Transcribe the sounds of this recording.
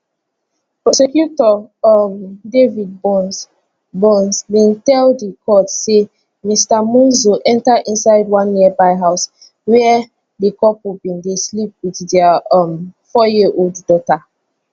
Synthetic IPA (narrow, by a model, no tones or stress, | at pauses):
pɹɔsɛkjutɔɔmdevid̚bɔn | bɔ̃nsbĩntɛldikʰɔtse | mistamũzoʔɛ̃ntaʔĩnsaɪdwãnːiəbaɪɦaʊs | wɛ | dikɔpubĩndeslip̚wiðdɛʌmfɔjiʔolddɔta